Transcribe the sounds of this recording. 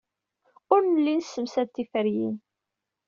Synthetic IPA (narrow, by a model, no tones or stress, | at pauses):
ʊɾnəlːinsːəmsæt̪ːifəɾjḭn